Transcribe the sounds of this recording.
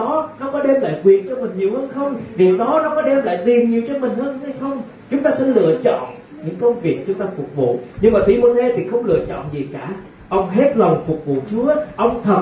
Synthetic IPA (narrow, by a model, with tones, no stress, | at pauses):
ɔ˨˦nɔ˨˦kɔ˨˦ɗɛ˧mla̰ː˧˨jkwi˨˩ənt͡ɕɔ˧mï˨˩ŋ̟ɲi˨˩əwhəː˧nxə˧wŋ͡mvi˨˩wɗɔ˨˦nɔ˨˦kɔ˨˦ɗɛ˧mla̰ː˧˨jt̪i˨˩ənɲi˨˩əwt͡ɕɔ˧mï˨˩ŋ̟həː˧n˧ha˧jxə˧wŋ͡m | t͡ɕʊ˨˦ŋ͡mt̪aː˧sɛ˧˥lɨ̰˧˨ət͡ɕɔ̰˧˨n | ɲɨ̰˧˥ŋkə˧wŋ͡mvi˨˩ək̚t͡ɕʊ˨˦ŋ͡mt̪aː˧fʊ˨˩k͡p̚vṵ˧˨ɲɨ˧ŋmaː˨˩t̪wi˧˩mo˧t̪ʰe˧t̪ʰi˨˩xə˧wŋ͡mlɨ̰˧˨ət͡ɕɔ̰˧˨nzi˨˩kaː˧˩ | ʔə˧wŋ͡mɦe˦˥t̚la˨˩wŋ͡mfʊ˨˩k͡p̚vṵ˧˨t͡ɕu˨˦əʔə˧wŋ͡mt̪ʰə˨˩